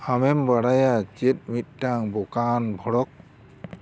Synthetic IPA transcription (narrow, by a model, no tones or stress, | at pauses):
amɛmbaɽajat͡ʃet̚mit̚ːaŋbɔkanbʱɔɽɔk̚